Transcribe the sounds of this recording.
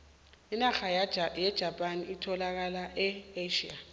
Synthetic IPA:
inaxajɛd̥ʒ̥ʱapʼaniːtʰɔlak̬alaʔɛeʃḭa

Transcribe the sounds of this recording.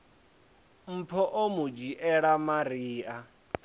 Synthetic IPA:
m̩pʰɔʔomud͡ʒiʔɛɺamaɾiːʔa

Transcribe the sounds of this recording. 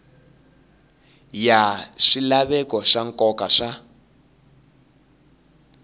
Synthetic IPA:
jaʂilaβɛkɔʂaŋkʼɔkaʂa

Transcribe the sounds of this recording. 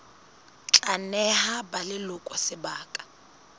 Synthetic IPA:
t͡ɬʼanɛhabalɪlʊkʼwasɪbaːkʼḁ

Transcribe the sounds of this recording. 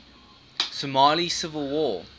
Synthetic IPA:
səmɑːlisɪvəlˠwɔː

